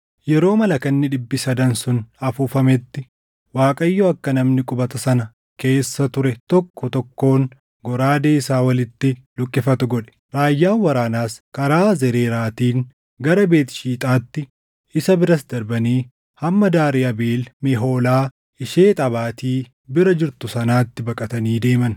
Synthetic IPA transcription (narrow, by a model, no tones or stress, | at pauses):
jɛɾo̞ːmɐlɐkɐnːɪᶑɪbːɪsɐd̪ɐnsʊnɐfuːfɐmɛt̪ːɪ | waːkʼɐjːoɐkːɐnɐmnɪkʼʊbɐt̪ɐsɐnɐ | ke̞ːsːɐt̪ʊɾɛt̪ɔkːɔt̪ɔkːo̞ːŋ | ɡɔɾaːd̪eːɪsaːwɐlɪt̪ːɪlʊkʼːɪfɐt̪ʊɡɔᶑɛ̥ | ɾaːjːaːnwɐɾaːnaːskɐɾaːzɛɾeːɾaːt̪iːŋ | ɡɐɾɐbe̞ːt̪ɪ̥ʃiːt̪ʼaːt̪ːɪ | ɪsɐbɪɾɐsd̪ɐɾbɐniː | hɐmːɐd̪aːɾɪɐbeːlmɛɦo̞ːlaː | ɪʃe̞ːt̪ʼɐbaːt̪iː | bɪɾɐd͡ʒɪɾt̪ʊsɐnaːt̪ːɪbɐkʼɐt̪ɐniːd̪e̞ːmɐn